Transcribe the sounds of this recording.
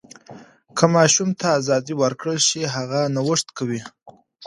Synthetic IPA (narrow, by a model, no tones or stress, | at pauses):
kʰəmɑʃumt̪ʰaːzɑd̪iwəɾkɽəlʃiɦaɣanawəʂt̪kawi